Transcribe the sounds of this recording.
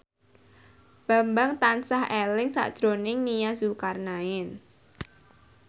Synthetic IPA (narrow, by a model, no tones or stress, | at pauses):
b̥a̤mbaŋt̪ansahelɪŋsa̰ʔd̥ʒ̥ɾonɪŋnijazukarnaɪn